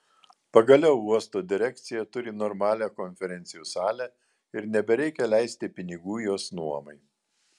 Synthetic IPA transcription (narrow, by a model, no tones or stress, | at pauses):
pɐɡɐlʲɛʊuɔst̪oːd̪ʲɪɾʲɛkʲt̪sʲɪjɛt̪ʊɾʲɪnɔɾmɑːlʲæːkɔnʲfʲɛɾʲɛnʲt̪ʲɪjuːsɑːlʲæ | ɪɾnʲɛbʲɛɾʲɛɪkʲɛlʲæɪsʲt̪ʲɪpʲɪnʲɪɡuːjoːsnuɔmɐɪ